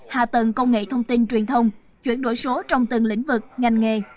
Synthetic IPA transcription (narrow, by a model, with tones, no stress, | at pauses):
ha̰ː˧˨t̪ə˨˩ŋkə˧wŋ͡mŋḛ˧˨t̪ʰə˧wŋ͡mt̪i˧nt͡ɕwi˨˩ənt̪ʰə˧wŋ͡m | t͡ɕwḭ˧˩ənɗo̰˧˥˩jso˨˦t͡ɕɔ˧wŋ͡mt̪ɨ˨˩ŋlḭ˧˥ŋ̟vɨ˨˩k̚ŋa˨˧˩jŋ̟ŋe˨˩